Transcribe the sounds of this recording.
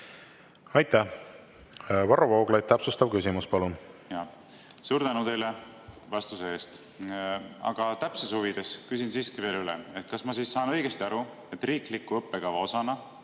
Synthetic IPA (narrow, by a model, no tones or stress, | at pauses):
ɑjt̪ːæ | vɑɾovoːɡlɑjt̪̚t̪ːæpsust̪ɑvkysimuspɑlunjɑ | suːɾt̪ænut̪e̞jle | vɑst̪usee̞ːst̪ | ɑ̰ɡ̥ɑt̪æpseshuvid̪̥e̞skysinsiːskive̞ːlylḛe̞t̪̚kɑsmɑsiːsːɑːnɤ̞jɡ̥e̞st̪iɑɾu | et̪ːˑriːklikːˑuɤpːeɡ̥ɑvɑo̞sɑnɑ